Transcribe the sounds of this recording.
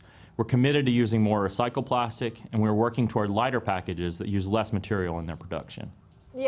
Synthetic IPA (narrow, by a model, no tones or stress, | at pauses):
wəɹkʰɨmɪɾɨd̚tɨjʉzɪ̃ŋmɔɹɨsaɪkl̩ˠpʰl̥æstɪkɨ̃nwiə˞wɜ˞kɪ̃ŋtʰɔɹdˡlaɪɾə˞pʰækɨd͡ʒɪzðɨ̰ʔ̚jʉzlɛsmɨtʰɪɹil̩ˠə̃nðə̰˞pʰɹ̥ədʌ̰kʃɨ̰̃n